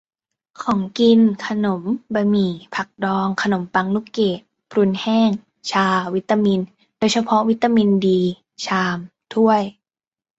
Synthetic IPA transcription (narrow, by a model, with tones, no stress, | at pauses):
kʰɔː˩˦ŋki˧nkʰa˧no˩˦mba˧miː˨˩pʰa˨˩k̚dɔː˧ŋkʰa˧no˩˦mpa˧ŋnu˦˥keː˨˩t̪̚ | pʰɾu˧nhɛː˥˩ŋ | t͡ɕʰaː˧wi˦˥t̪ːa˧mi˧n | d̥oː˧jt͡ɕʰa˧pʰɔ˦˥wi˦˥t̪ːa˧mi˧ndiː˧ | t͡ɕʰaː˧mt̪ʰu˥˩əj